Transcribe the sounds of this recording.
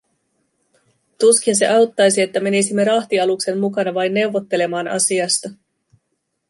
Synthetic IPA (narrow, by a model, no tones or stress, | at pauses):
t̪uskinse̞̰ʔɑwt̪ːɑjsie̞t̪ːæme̞nisimːe̞ɾɑht̪iɑlukse̞mmukɑnɑʋɑjnːe̞wʋo̞t̪ːe̞le̞mɑːnɑ̰siɑst̪ɑ